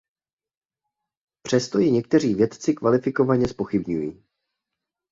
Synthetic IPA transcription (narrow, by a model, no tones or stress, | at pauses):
pr̝̥ɛst̪o̞jɛɲɛkt̪ɛr̝iːvjɛt̪t͡sɪkvalɪfɪko̞vaɲɛspo̞xɪbɲujiː